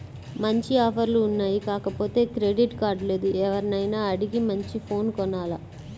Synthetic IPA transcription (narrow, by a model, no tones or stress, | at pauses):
mɐɲt͡ʃiɔːpʰɐɾluːnːaːjikaːkɐpo̞ːt̪e̞ːkɾe̞ɖiʈkaːɾɖle̞ːd̪uɛʋɐɾnɐjnaːɐɽiɡimɐɲt͡ʃipʰo̞ːnkɔnaːla